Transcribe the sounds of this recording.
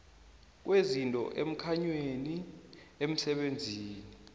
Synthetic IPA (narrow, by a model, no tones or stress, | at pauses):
k̬wezintʼɔ̰ʔem̩kʰaɲweeni | em̩sɛɓend͡zʱiːni